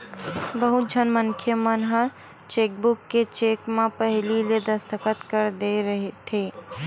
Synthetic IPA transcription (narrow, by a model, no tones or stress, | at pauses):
bəɦʊt̪̚d͡ʒʱənmənkʰjəmənɦə | t͡ʃeːk̚bʊkːet͡ʃeːkmẽpəɦɪliled̪əst̪əkət̪kəɾd̪eɾəɦet̪ʰeː